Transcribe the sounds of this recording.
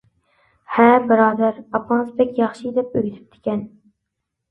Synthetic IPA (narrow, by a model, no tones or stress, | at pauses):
hæbɪɾɑːd̪æɾɑpmɑnsbɛkʲjɑχʃid̪ɛp̚øɡʲɪt̪ʰɪ̥p̚d̪ʰɪ̥kʲɛn